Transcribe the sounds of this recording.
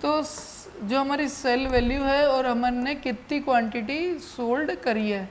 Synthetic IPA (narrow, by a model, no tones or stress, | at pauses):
t̪oː | d͡ʒoːɦɐmaːɾisɛlʋɛːljuɦɛɔːɾɦɐmənekɪt̪ːikʋãːɳʈɪʈisoːlɖkɐɾiɦɛː